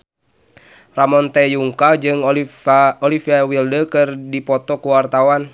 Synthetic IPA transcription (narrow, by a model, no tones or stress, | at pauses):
ramɔnt̪ɛjuŋkad͡ʒɨŋ | ɔlifiawildəkɨrdipɔt̪ɔkuwart̪awan